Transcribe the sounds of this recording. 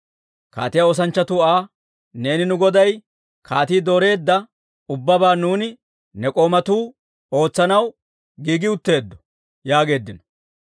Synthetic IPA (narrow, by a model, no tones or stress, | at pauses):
ka̰ːt̪ɪjɐoːs̬ɐnt͡ʃːɐt̪uaː | ne̞ːnɪnʊɡɔd̪ɐj | kʰaːt̪iːd̪oːɾe̞ːd̪ːɐ | ʊbːɐbaːnuːnɪ | nɛkʼo̞ːmɐt̪uː | o̞ːt͡sːɐnɐw | ɡiːɡɪʊt̪ːe̞ːd̪ːɔ̥ | jaːɡe̞ːd̪ːɪnɔ